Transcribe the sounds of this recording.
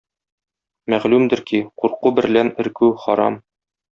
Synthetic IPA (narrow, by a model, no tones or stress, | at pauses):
mæʁlʉmd̪ɘ̆ɾkiquɾqubɘ̆ɾlænɘ̆ɾkʉχɒɾɑ̰m